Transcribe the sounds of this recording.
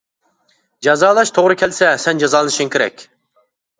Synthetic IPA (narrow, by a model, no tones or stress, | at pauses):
d͡ʒɑzɑːlˠɑʃt̪ʰoʁɾɨkʲʰɛlsɛsɛnd͡ʒɑzɑlˠɨnɨʃʊŋkʲʰeɾɛ̰kʲ